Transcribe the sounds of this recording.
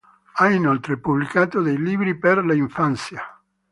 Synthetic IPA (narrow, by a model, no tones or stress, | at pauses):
ainolt̪ɾepublikaːt̪od̪ejliːbɾiperlaiɱfant̪sja